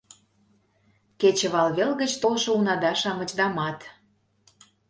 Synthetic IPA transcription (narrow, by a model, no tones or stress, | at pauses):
ket͡ɕə̆βɑlβelɣə̆t͡ɕt̪olʃŏunɑd̪ɑʃɑŋə̆d͡ʑd̪ɑmɑt̪